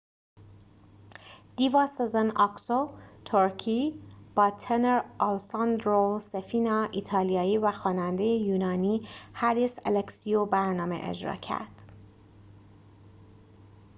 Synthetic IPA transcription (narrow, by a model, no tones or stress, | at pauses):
d̪̥ivɑːsezenɑksot̪ʰoɾcʰiːb̥ɒːt̪ʰeneɾʔɑlsɑnd̪ɾosefiːnɒːʔit̪ʰɒːlijɒːiːvæxɒːnænd̪e̞jejuːnɒːniːhæɾisḛleksiobæɾnɒːmḛʔḛd͡ʒɾɒ̰ːcʰæ̰ɾd̪̥